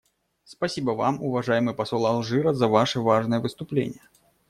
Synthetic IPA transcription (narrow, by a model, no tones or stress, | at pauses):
spasʲibəva̰mʊvaʐajɪmɨjpɐsɔlˠɐlˠʐɨɾəzɐvaʂɨvaʐnɨjəvɨst̪ʊplʲḛnʲɪjə